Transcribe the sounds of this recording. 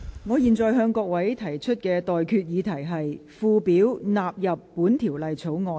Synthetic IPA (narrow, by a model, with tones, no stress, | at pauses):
ŋɔː˨˧jiː˨˩nt͡sɔː˨jɦœː˧ŋkɔː˧k̚wɐ˨˥jt̪ʰɐ˨˩jt͡ʃʰɵ˥t̚kɛː˧t̪ɔː˨jkʰyː˧t̚jiː˨˧t̪ʰɐ˨˩jɦɐ˨jfuː˧piː˨˥wnaː˨p̚jɐ˨pːuː˨˥nt̪ʰiː˨˩wlɐ˨jt͡sʰo˨˥wŋɔː˧